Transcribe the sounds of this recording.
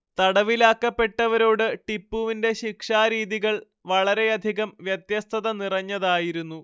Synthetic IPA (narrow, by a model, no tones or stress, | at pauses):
t̪ɐɽɐʋilaːkːɐpːe̞ʈːɐʋɐɾo̞ːɽɨʈipːuʋinde̞ɕikʂaːɾiːðiɣɐɭ | ʋɐɭɐɾe̞jɐd̪ʱiɣɐmʋjɐt̪jɐst̪ʰɐðɐnirɐɲːɐðaːjiɾunːu